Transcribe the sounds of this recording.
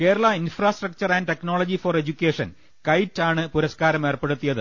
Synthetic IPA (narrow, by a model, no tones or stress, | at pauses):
ke̞ːɾɐɭɐinfraːsʈrɐk̚t͡ɕɐrɐnɖʈekno̞ːɭɐd͡ʑifore̞d͡ʑukʲːeːʂɐn | kɐjtːaːɳɨpuɾɐskaːɾɐme̞ːrpe̞ɽut̪ːijɐðɨ̰